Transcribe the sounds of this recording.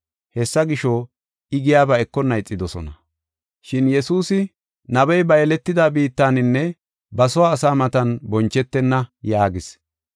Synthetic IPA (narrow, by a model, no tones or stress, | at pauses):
hɛsːɐɡɪʃɔ | ɪɡɪjaːbɐɛkːɔnɐjt͡sʼːɪd̪ɔsɔ̰nɐ | ʃɪnjɛsuːsɪ | nɐbɛjbɐjlɛt̪ːɪd̪aːbiːt̪ːaːnɪnːɛ | bɐsɔwaːsaːmɐt̪ɐnbɔnt͡ʃːɛt̪ːɛnːɐjaːɡɪs